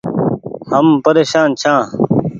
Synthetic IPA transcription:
hɐmpɐɾeːɕãːnt͡ɕʰãː

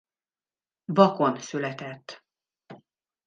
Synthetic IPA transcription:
bɒkonsylɛt̪ɛt̪ː

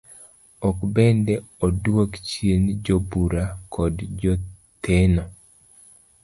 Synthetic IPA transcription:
ɔkbɛndɛɔdwokt͡ʃjend͡ʒobuɾakʰɔdd͡ʒɔ | t̪enɔ

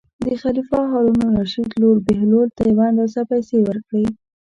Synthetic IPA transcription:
d̪əxalifɑɦɑɾunoɾaʃid̪loɾbeɦlolt̪ajawand̪ɑsapajsewəɾkɽe

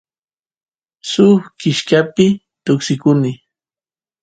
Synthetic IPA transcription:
sʊxkɪʃkapɪ | t̪ʊksɪkʊnɪ

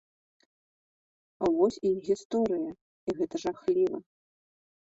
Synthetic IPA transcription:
avɔsʲiɣʲist̪ɔɾɨjɐ | iɣɛt̪ɐʐaxlʲivɐ̰

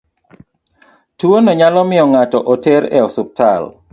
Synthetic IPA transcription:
tuonɔɲalɔmɪɔŋatɔʔoteɾɛ̰ɔsʊp̚tʰal

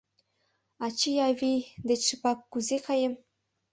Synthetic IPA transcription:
ɑt͡ɕijɑvʲid̪et͡ɕʂɯpɑkːuzekʰɑjĕm

